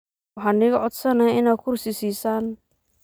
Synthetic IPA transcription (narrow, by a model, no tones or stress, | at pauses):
wɑħɑːnɪɣɐʕɔd̪sɐnɐɪnaːd̪̚kʰʊrsɪsiːsaːn